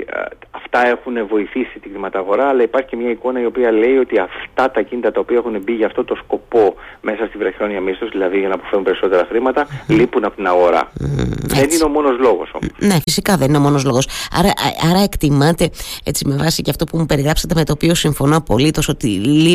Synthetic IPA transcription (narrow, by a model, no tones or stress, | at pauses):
ɐft̪ɐe̞xunevo̞iθisit̪iɡ̪imɐt̪ɐɣo̞ɾɐːlɐipɐɾçi̥cemɲɐiko̞nɐio̞piɐle̞io̞t̪iɐft̪ɐt̪ɐcinit̪ɐt̪ɐopiɐexunebiʝɐːft̪o̞t̪o̞sko̞po̞me̞sɐst̪ivɾɐçɾo̞niɐmist̪ozðilɐðiʝɐnɐpo̥feɾunmpe̞ɾiso̞t̪e̞ɾɐxɾimɐt̪ɐlipunɐpot̪inɐɣo̞ɾɐ̰ | enineo̞mo̞no̞zlo̞ɣo̞̰so̞̰mo̥sne̞fisikɐðenineo̞mo̞no̞zlo̞ɣo̞sɐ̰ɾɐʔɐɾɐe̞kt̪imɐt̪e̞e̞t͡sime̞vɐsiceɐft̪o̞pumupe̞ɾiɣɾɐpsɐt̪e̞me̞t̪o̞ːpio̞siɱfo̞noɐpo̞lit̪o̞so̞t̪ili